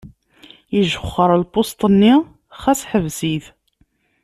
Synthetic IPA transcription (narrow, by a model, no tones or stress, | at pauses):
iʒəχːəɾˤəlbost̪ˤənːi | χæsħəvsiθ